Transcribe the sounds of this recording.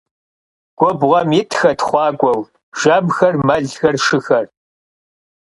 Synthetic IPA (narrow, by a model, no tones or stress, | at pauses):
ɡ̥ʷɔbʁɐmjɪtʰxɐtʰχʷɑːkʷʼɔw | ʒ̥ɐbxɐrmɐɮxɐrʂɨxɐr